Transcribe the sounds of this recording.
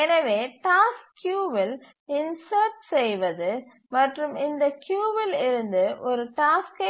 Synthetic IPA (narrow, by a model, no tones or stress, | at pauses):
ɛnɐʋeːʈaːskːjuːʋɪl | ɪnsɐɾʈsɛjʋɐðɯ | mɐʈrɯmɪnd̪ɐkjuːʋɪlɪɾɯnd̪ɯʔɔɾɯʈaːskɐ